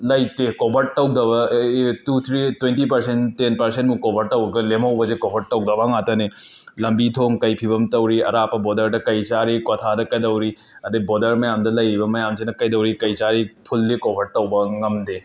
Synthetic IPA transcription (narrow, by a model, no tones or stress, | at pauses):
lɐjt̪ekobʱɐʈ̚ːɐw̚d̪ɐbɐtut̪ʰɾitwẽntip̬ɐɾsentenpɐɾsenʈmũkɔbʱɐʈːɐwɾɡɐlemɐwbɐzekobʱɐʈ̚ʈɐwɡ̚d̪ɐbaŋat̪ɐne | lɐmbit̪ʰoŋkɐjpʰibɐmt̪ɐwɾiɐ̰ɾaːpɐbɔd̪ɐɾʈɐkɐjt͡ʃaɾikɔt̪ʰadɐkɐjd̪ɐwɾi | ɐd̪ɐbɔd̪ɐɾmɐjamd̪ɐlɐjbɐmɐjamd͡ʒenɐkɐjd̪ɐwɾikɐjt͡ʃaɾipʰulːikobʱɐʈ̚ʈɐwbaŋɐmd̪e